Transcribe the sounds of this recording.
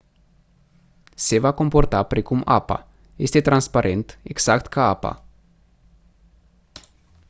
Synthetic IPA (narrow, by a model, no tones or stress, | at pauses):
sevakomport̪apɾikuma̰pa̰ | esʲt̪et̪ɾanspaɾʔent̪eksakt̪kʰaapa̰